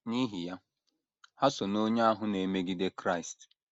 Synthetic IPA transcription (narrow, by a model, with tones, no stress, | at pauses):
ni˦ɦi˨ja˦ | ha˦so˨no˦ɲa˦a˦ɦʊ˦ne˨me˦ɡi˦de˦kɾa˦˨st